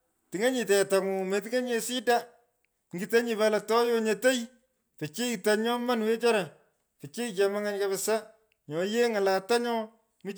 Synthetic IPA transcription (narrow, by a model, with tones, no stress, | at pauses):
ti˨ŋe˦ɲi˨tɛ˨ta˨mu˨me˨t̬i˦ŋe˦ɲe˨si˦da˦ | ŋɡi˨te˦ɲi˨βa˦la˨tɔ˦jo˦ɲe˨te˦j | pe˨t͡ʃi˦ta˨ɲɔ˦ma˦nwe˦t͡ʃɔ˦ɾa˨ | pe˨t͡ʃi˦t͡ʃɛ˨ma˦ŋa˦nka˦βe˨sa˦ | ɲɔ˨je˦ŋa˨la˨ta˦ɲɔ˦ | mi˦